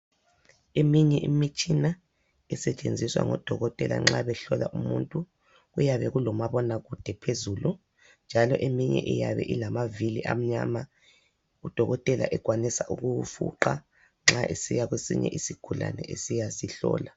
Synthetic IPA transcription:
emiɲɛʔimit͡ʃʼina | ɛsɛt͡ʃʼend͡zʱiswa̰ŋɔd̥ʱɔɣɔtʼɛla̰ŋ͡ǁaβɛɬɔlaʔumuntʼu | ɣujaβɛɣulɔmaβɔnaɣud̥ʱɛpʰezulu | nd͡ʒʱalɔʔemiɲɛ̰ʔɛjaβɛ̰ʔilamaviliʔam̩ɲaːma | ud̥ʱɔɣɔtʼɛla̰ʔɛɣwanisaʔuɣufṵǃa | ŋ͡ǁaʔesijaɣwesḭɲɛ̰ʔisikʰula̰nɛ̰ʔesijasiɬɔ̰ːla

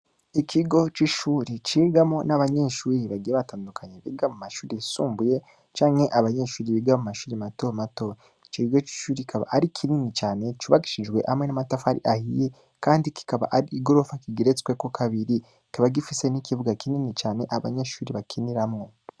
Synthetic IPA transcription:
ikʰiɡo̞t͡ʃiʃuːɾit͡ʃiːɡamo̞naβaɲe̞ʃuːɾiβaɡijeβataːndukʰaɲeβḭːɡamumaʃuːɾisuːmbuje̞ | t͡ʃaːŋhe̞ʔaβaɲe̞ʃuːɾiβiɡamumaʃuːɾimatomato̞ | it͡ʃiiɡo̞t͡ʃi̥ʃuːɾiikʰaβa̰ʔaɾikʰininit͡ʃaːne̞t͡ʃuβaki̥ʃid͡ʒɡwe̞ʔamŋe̞namatafaɾḭʔahḭje | kaːndiki̥kaβa̰ʔaɾiːɡo̞ɾo̞fakiɡiɾet͡skwekokʰaβiɾi | i̥kaβaɡifise̞nikiβuɡakininit͡ʃaːne̞ʔaβa̰ɲeʃuːɾiβakʰiniɾamŋo̞

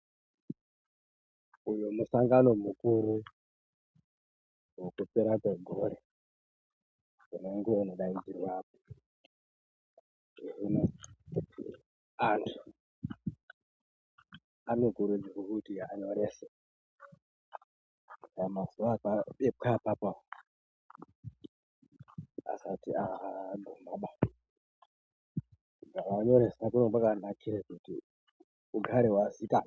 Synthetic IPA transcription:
ujomusaŋɡano̞mukuɾu | wokupeɾakweɡʱoɾe | uneŋɡounoɗaid͡zirwaːpo̥ | eɦuna | antʰu̥ | anokuɾed͡ʒikukutijaːɲoɾese | ajamasapaɓekʰapapa | a̰satiaaɡumaɓa | ɡakaaɲoɾesak̬unopakanakʰiɾekutḭ | uɡʱaɾewazika

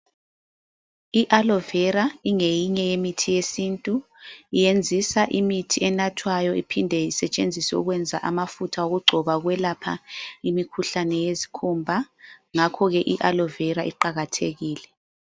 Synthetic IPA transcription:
iʔalɔvɛɾaiŋejiɲɛjemitʰijesintʼu | ijend͡zʱisaʔimitʰiɛnatʰwajɔipʰindʱɛisɛt͡ʃʼend͡zʱisɛṵɣwɛnd͡zʱa̰ʔamafutʰaoɣuɡ͡ǀʱɔβaɣwɛlapʰaimikʰuɬanɛjezi̥kʰumbʱaŋakʰɔɣɛʔiʔalɔvɛɾaʔiǃaɣatʰeɣiːlɛ

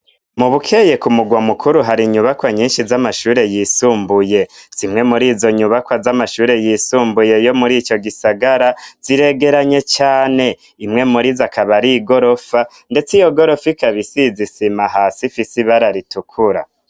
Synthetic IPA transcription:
muβukʰe̞je̞kumuɡwamukʰuɾuɦaɾiɲuβakwaɲiːnʃizamaʃuːɾe̞jisuːmbuje̞z̥imŋe̞muɾiːzo̞ɲuβakwazamaʃuːɾe̞jisuːmbuje̞jo̞muɾiːt͡ʃo̞ɡisaɡaɾaz̥iɾe̞ɡe̞ɾaɲe̞t͡ʃaːne̞ | imŋe̞muɾizakʰaβaɾiɡo̞ɾo̞fa | nde̞t͡sijo̞ɡo̞ɾo̞fikaβisizisimaɦaːsifisiβaɾaɾitukʰuɾa̰

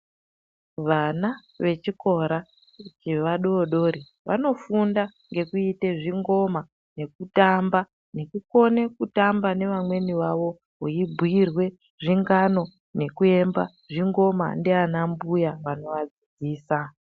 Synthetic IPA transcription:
ʋana | ʋe̞t͡ʃiko̞ɾa | t͡ʃeʋaɗoːɗo̞ɾi | ʋa̰no̞funda | ŋɡe̞kuite̞ʐiŋɡo̞ma | ne̞k̚utamba | ne̞kuko̞ne̞kutambane̞ʋamwe̞niʋaʋo̞ | ɦuibʱirwe̞ | ʐiŋɡano̞ | ne̞kue̞mba̰ | ʐiŋɡo̞ma̰ndeanambujaʋano̞ʋad͡zid͡ziːsa

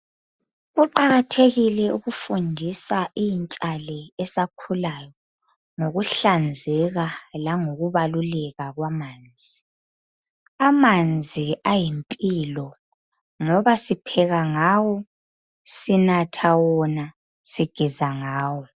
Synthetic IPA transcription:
ɣuǃaɣatʰeɣilɛuɣufundʱisaʔint͡ʃʼalɛɛsakʰulajɔ | ŋoɣuɬand͡zʱɛɣalaŋoɣuβalulɛɣaɣwamaːnd͡zʱi | amand͡zʱiajimpʼilɔ | ŋɔβasipʰɛɣaŋawɔ | sinatʰawɔna | siɡ̥ʱizaŋaːwɔ

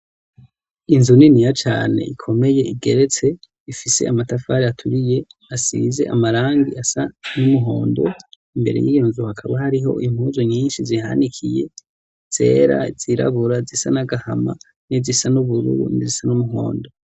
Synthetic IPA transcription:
inzuninijat͡ʃa̰ːne̞̰ʔikʰo̞me̞je̞ʔiɡe̞ɾe̞t͡se̞ | ifise̞̰ʔamatafaːɾiatʰuɾije̞asḭze̞ʔamaɾaːŋɡiʔasanumuɦo̞ːndo̞̰ | imbe̞ɾe̞̰jijonzuhakʰaβahaɾiɦo̞̰ʔim̥huːzoɲiːnʃiziha̰nikʰije̞̰ | z̥e̞̰ːɾa̰z̥iɾa̰βuɾazisanaɡahama̰ | nizisanuβuɾṵɾṵnizisanumuɦo̞̰ːndo̞

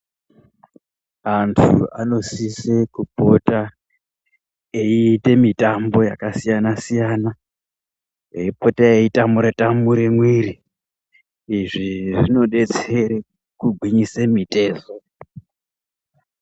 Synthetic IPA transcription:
antʰṵa̰no̞sisekupo̞ta | eite̞mitambo̞ja̰kasijanasijana | eipo̞taeitamuɾetamuɾemwiɾi | iʐiʐino̞ɗe̞t͡seɾe | kuɡʱwiɲisemitʼe̞ːzo

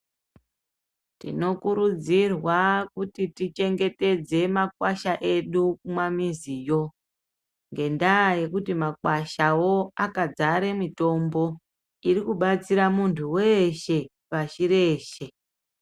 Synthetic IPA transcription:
tḭno̞kuɾud͡zirwakutitit͡ʃe̞ŋɡe̞te̞d͡ze̞makwaʃaʔe̞ɗukumamizijo̞ | ŋɡe̞ndaje̞kutimakwaʃawo̞akad͡zaɾe̞mito̞mbo̞ | irikuɓat͡siɾamuntʰuwe̞ʃe̞ | paʃiɾe̞ːʃe̞

